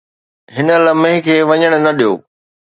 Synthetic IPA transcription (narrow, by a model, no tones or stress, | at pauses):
ɦɪnə̆lɐmẽɦɪ̃kʰeːʋɐɲəɽ̃̆nɐɗijo̰ː